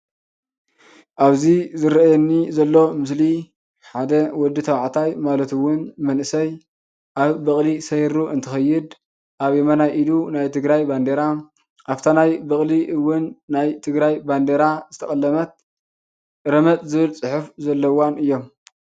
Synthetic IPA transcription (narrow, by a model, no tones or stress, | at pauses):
ʔaβzizɨɾjɛnːizɐlːo̞mɨs̬li | ħad̪ɐwɔd̪ːɨt̪ʰɐwʕt̪ʰajmalɐt̪ɨwːʊnmɐnʔɨsɐj | ʔaβbɐχʼlisɐjɾuʔɨnt̪ʰɨxɐjːɪd̪ | ʔaβjɛmɐnajʔilunajt̪ʰɨɡɾajband̪eɾa | ʔaft̪ʰanajbɐχʼliʔɨwːʊnːajt̪ʰɨɡɾajband̪eɾazɨt̪ʰɐkʼɐlːɐmɐt̪̚ | ɾɐmɐt̪zɨβɨlt͡sʼɨħufzɐlːɐwanɨjːo̞m